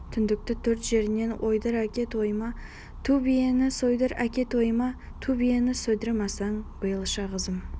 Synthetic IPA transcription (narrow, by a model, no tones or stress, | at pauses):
t̪ʰʏnd̪ɪk̚t̪ɪt̪ʰɵɾt̪ʒe̞ɾɪne̞nwʔo̞jd̪əɾækʲe̞t̪wo̞jmɑ | t̪ʰubijenɪsojd̪əɾæ̰kʲe̞t̪wo̞jmɑ | t̪ʰubijenɪsɵjd̪ɪɾɪmɑsɑɴbəjəlˠəʃɑʁqʰəzəm